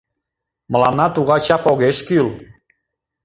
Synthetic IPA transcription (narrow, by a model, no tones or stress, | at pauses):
mə̆lɑnɑt̪uɣɑt͡ɕɑpoɣeʃkyl